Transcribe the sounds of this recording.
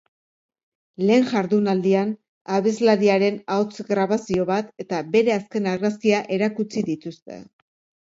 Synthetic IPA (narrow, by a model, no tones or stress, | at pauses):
le̞ːnʝaɾðunald̪ian | aβezlaɾiaɾe̞naot͡sɡɾaβasio̞βat̪e̞t̪abe̞ɾe̞aske̞naɣɾasiaʔe̞ɾakut͡siðit̪ust̪e̞̰